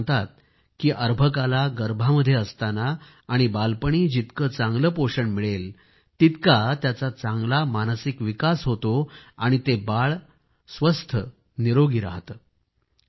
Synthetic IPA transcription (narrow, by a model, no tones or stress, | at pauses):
t̪at̪̚ | kiːʔəɾbʱəkalaɡəɾbʱaməd̪ʱːjeəst̪anaː | ɽ̃ibalpəɳ̃iːd͡ʑit̪kət͡saŋɡləpoʂəɳmiɭel | t̪it̪kat̪jat͡sat͡sãŋɡlamanəsikʋikasɦot̪oaɽ̃it̪ebaɭ | sʋəst̪ʰə | niɾoɡiːɾa̰ɦt̪ə